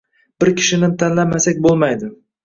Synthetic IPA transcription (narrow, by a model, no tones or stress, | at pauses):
b̥ɪɾkʲʰɪ̥ʃɪnɪt̪ʰanlamasakʲbolˠmajd̪ɪ